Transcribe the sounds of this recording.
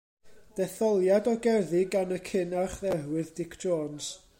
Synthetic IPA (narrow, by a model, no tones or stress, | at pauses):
d̥ɛθɔlˠjadɔɡɛrðɨɡanəkʰɪnaχðɛɦwɨðdɪkʰd͡ʒ̥oːns